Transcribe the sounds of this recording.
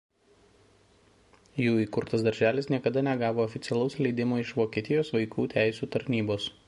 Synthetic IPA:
juːiːkʊɾt̪ɐsd̪ɐɾʲʒʲæːlʲɪsnʲiɛkɐd̪ɐnʲɛɡɑːʋoːɔfʲɪt̪sʲɛlˠɐʊslʲɛɪd̪ʲɪmoːɪʃʋoːkʲiɛt̪ʲɪjoːsʋɐɪkuːt̪ʲæˑɪsʲuːt̪ɐɾʲnʲiːboːs

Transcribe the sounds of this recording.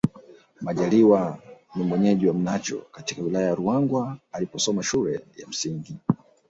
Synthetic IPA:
maʄaliwanimwɛɲɛʄiwam̩nat͡ʃɔ̰katikawilajajaɾuaŋɡwaːlipɔsɔmaʃulɛja̰m̩siŋɡi

